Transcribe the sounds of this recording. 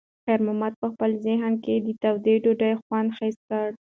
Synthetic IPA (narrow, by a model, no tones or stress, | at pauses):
xaɾmamat̪̚pəxpəlzɪɦnked̪ət̪awd̪eɖoɖajxwɑnd̪xast̪̚kəɽ